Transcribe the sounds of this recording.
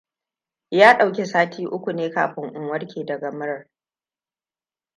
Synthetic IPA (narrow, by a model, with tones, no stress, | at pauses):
jaː˦ɗa˨wkʲe˨saː˦tʰiː˦ʔʊ˦kʷu˨neː˦kaː˨ɸɪ˦ŋʔʊ˨ŋwɐ˦rkʲʰeː˨dɐ˨ɡɐ˨mɪ˦ɾɐ˨r